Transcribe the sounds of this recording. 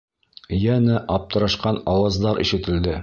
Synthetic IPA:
jænɘʔɒp̚t̪ɤ̆ɾɑʃqɑnɑwɑzd̪ɑɾʔḭʃɘ̆t̪ɘ̆ld̪ɘ

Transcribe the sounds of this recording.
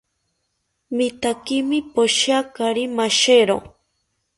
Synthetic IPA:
mit̪akimipoʃakaɾimaʃeɾo̰

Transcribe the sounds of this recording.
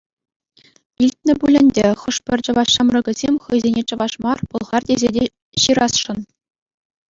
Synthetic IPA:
ilʲtʲnʲɘ̆bulʲɘ̆nʲdʲeχɤ̆ʂpʲɘ̆rʲt͡ɕɤ̆ʋɑɕɑmrɤ̆ɡʲɘ̆zʲemʲχɤ̆jzʲenʲet͡ɕɤ̆ʋɑʂmɑrpɤ̆lˠʁɑrtʲezʲedʲe | ɕiɾɑsʂɤ̆n

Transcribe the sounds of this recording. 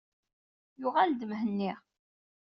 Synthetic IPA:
jʊʁæld̪əmɦənːiʁ

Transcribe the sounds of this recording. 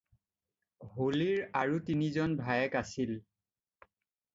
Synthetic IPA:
holiɹaɹutinizɔnbʱajɛkasil

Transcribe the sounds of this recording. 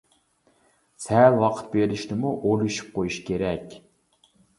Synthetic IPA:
sɛlwɑqʰə̥t̪̚beɾɪʃnɪmuʔolˠuʃy̥p̚qʰojuʃkʲʰeɾɛkʲ

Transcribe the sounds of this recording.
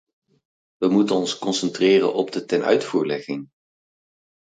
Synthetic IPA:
ʋəmutənɔnskɔnsɛntrɪːrə̰nʔɔb̚dətɛnœ̰ɥtfuːɹlɛχɪŋ

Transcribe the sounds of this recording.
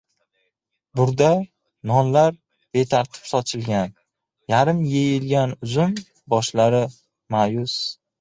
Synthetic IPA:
bʊɾd̪a | nɒnlaɾ | b̥e̞t̪ʰaɾt̪ʰɪ̥psɒt͡ʃʰɪlɡʲan | jaɾɪmjejɪlɡʲanʊzʊm | bɒʃlaɾɪ | majʊs

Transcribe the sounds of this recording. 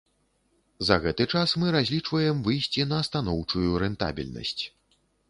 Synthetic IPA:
zɐɣɛt̪ɨt͡ʂasmɨɾazʲlʲit͡ʂvɐjɛmvɨjsʲt͡sʲinɐːst̪anɔwt͡ʂujuɾɛnt̪a̰bʲḭlʲnɐ̰sʲt͡sʲ

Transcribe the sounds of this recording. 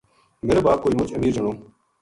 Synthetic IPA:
meɾebaːkoːiːmʊt͡ʃəmiːɾzəɳoː

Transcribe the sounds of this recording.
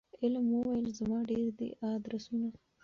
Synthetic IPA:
ɪlməwajəlzamɑɖeɾd̪ə̰ʔɑd̪ɾasuna

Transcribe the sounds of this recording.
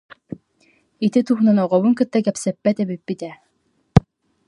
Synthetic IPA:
it̪it̪uχnanɔʁɔβuŋkɯt̪ːakɛpsɛpːɛt̪ɛbipːit̪ɛ

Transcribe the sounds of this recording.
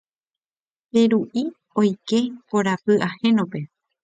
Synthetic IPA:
peɾuʔi | o̞jke̞poɾapɨʔahẽ̞nõpe̞

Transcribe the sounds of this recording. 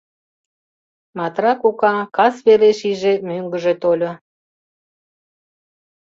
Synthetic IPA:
mɑt̪rɑkukɑkɑsβeɾeʃiʒemøŋɡəʒe̽t̪olʲo

